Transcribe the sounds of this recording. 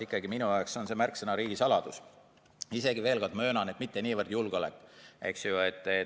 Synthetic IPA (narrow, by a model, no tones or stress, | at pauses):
ikːɑɡiminujɑekso̞nse̞mærksenɑɾiːɡ̥isɑlɑd̪̥us | ise̞ɡ̥ive̞ːlɡɑd̪mø̞ːnɑnet̪mit̪ːe̞niːvərd̪̥julɡ̥o̞lekːˑḛksjuet̪ːˑe